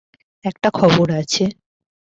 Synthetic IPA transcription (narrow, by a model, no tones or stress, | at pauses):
ɛk̚ʈakʰɔboɾat͡ɕʰe